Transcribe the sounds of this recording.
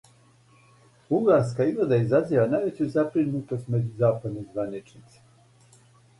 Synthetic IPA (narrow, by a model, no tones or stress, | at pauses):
uŋɡaɾskaiɡlad̪aizaziʋanajʋe̞t͡ɕuzabɾinut̪o̞st̪me̞d͡ʑuzaːpad̪nezʋanit͡ʃnit̪se̥